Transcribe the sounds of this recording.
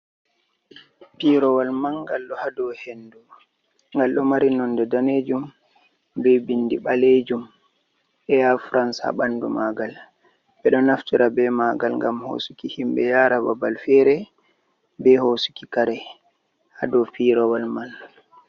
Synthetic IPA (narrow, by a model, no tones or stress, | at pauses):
piɾɔwalmanɡalɗɔhadɔwhendu | ŋɡalɗɔmaɾinɔndɛdaned͡ʒum | bɛbindiɓaled͡ʒum | ʔɛafɾansa̰ɓandṵmaɡal | ɓɛɗɔnaftiɾʔabɛmaɡalŋɡamho̰sukihimbɛjaɾababalfɛɾɛ | bɛhosu̥ki̥kaɾɛ | hadɔpiɾɔwalman